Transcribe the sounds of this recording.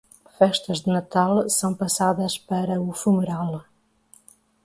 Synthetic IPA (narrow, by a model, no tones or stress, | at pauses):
fɛʃt̪ɐzd̪ɨnɐt̪alˠsɐ̃w̃pɐsaðɐʃpɐɾɐufumuɾalˠ